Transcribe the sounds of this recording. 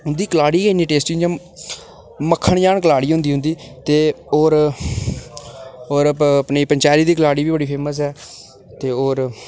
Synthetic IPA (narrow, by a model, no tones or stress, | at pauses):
ɦʊnd̪iːkəlaːɽiːeniːʈeːsʈiːjãː | məkʰːəɳjaːɳkəlaːɽiːɦʊ̃nd̪iːʊ̃nd̪iːt̪eːoːɾ | oːɾəppniːpəɲt͡ʃaːɾiːd̪iːkəlaːɽiːbiːbəɽiːpʰeːməs̬ɦɛː | t̪eːoːɾ